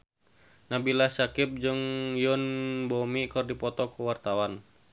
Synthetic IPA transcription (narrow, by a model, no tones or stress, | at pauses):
nabilasakɪp̚d͡ʒɨŋjʊnbɔmikɨrdipɔt̪ɔkuwart̪awan